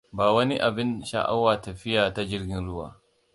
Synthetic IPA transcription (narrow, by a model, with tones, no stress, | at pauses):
baː˨wɐ˦ni˦ʔa˨bɪ˦nʃa̰˨ʔa̰˦waː˨tɐ˨ɸɪ˦jaː˨ta˦d͡ʒɪ˦rɡʲɪ˦nɽʊ˦wa̰ː˨